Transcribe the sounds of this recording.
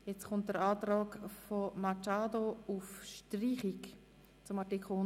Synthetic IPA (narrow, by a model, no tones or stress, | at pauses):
jɛt͡sχʊnt̚d̥əɾaːtɾaːkfomat͡ʃaːdoufʃtriːχik | t͡sʊmɑtikχl̩